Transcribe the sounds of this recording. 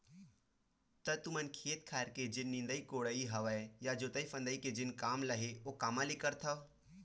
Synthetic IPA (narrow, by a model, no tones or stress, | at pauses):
t̪ət̪ʊmənkʰeːt̪̚kʰaːɾked͡ʒɪnːɪ̃nd̪əikoːɽəiɦɐʋəejad͡ʒoːt̪əifɐ̃nd̪əiked͡ʒɪnkaːmləɦeokaːmãlikəɾt̪ʰɐ